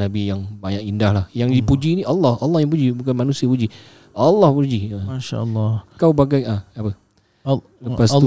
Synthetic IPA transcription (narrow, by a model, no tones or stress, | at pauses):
nabijaŋbaɲakindahlahjaŋdipud͡ʒiniʔalːɑhɑlːɑhjaŋp̬ud͡ʒibukanmanusiapud͡ʒi | ɑlːɑhpud͡ʒiəaʃa̰lːɔkawbaɡajəapə | ləpas